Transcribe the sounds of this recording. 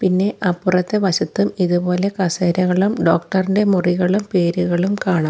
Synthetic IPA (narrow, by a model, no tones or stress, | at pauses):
pinːe̞ʔɐpːurɐt̪ːeʋɐɕɐt̪ːumiðupo̞ːle̞kɐseːɾɐɣɐɭumɖo̞ːkʈɐrinde̞muriɣɐɭumpe̞ːɾuɣɐɭumkaːɳɐm